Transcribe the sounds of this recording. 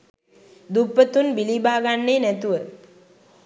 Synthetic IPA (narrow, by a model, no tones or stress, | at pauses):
d̪upːət̪unbilibaːɡanːeːnæt̪uʋə